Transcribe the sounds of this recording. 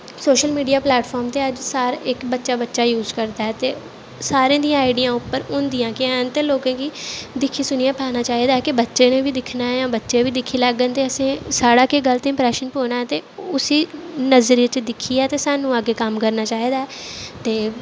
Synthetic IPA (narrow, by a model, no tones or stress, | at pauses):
soːʃəlmiːɖijaːplɛːʈfʰɔːɾmt̪eːəd͡ʒsaːɾɪkbətːʃaːbətːʃaːjuːzkəɾd̪aːɦɛːt̪eː | saːɾẽːd̪ijãːaːɪɖijãːʊpːəɾʊnd̪ijãːkeɛːnt̪eːloːkãːkiːd̪ɪkʰːiːsʊnijãːpʰaːnaːt͡ʃaːiːd̪aːɦɛkɪbətːʃeːnẽːbiːd̪ɪkʰnaːjãːbətːʃeːbiːd̪ɪkʰːiːləɡːənt̪eːəsẽːsaːɽaːkeːɡəlt̪ẽːmpɾɛːʃənpoːnaːɦɛːt̪eːʊsiːnəzɾiət͡ʃd̪ɪkʰːiːɛːt̪eːsaːnːũːaɡeːkəmkəɾnaːt͡ʃaːɦiːd̪aːɛːt̪eː